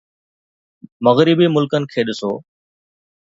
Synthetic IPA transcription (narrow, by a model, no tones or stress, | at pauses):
məɣɾɪbiːmʊlkənɪ̆kʰeːɗɪsoː